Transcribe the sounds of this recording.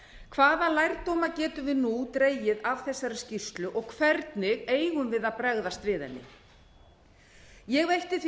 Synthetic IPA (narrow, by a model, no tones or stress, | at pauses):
kʰvaːðalajɾt̪owmacɛːt̪ʏvɪðnut̪ɾeːjɪðav̥θɛsːaɾɪ̥scist̪lʏʔɔɣkʰvɛɾt̪nɪɣeːjɣʏmvɪðaðpɾɛɣðast̪vɪːðanːɪ̰ | jɛɣvejht̪ɪθ